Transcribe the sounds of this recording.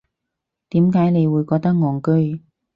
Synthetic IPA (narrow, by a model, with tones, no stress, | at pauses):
t̪iː˨˥mkaː˨˥jne˨˧jwuː˨˧jkɔː˧k̚t̪ɐ˥k̚ŋɔː˨˩ŋkɵ˥ɥ